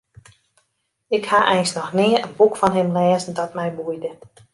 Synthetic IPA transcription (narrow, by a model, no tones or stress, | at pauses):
ɪkhaʔɛjnsnɔxnɪəənbukfɔnɦɪmlɛːzən̩dɔtmɛjbujdə